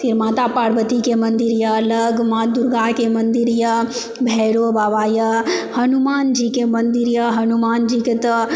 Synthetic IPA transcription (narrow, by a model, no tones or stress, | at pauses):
sʰiɾmaːt̪apaːɾʋət̪ikemɐnd̪iɾjɐlɐɡmaːd̪uɾɡaːkemɐnd̪iɾjɐ | bʱɛːɽobaːʋaːjɐhɐnumaːnd͡ʒiːkemɐnd̪iɾjɐɦɐnumaːnd͡ʒikɐt̪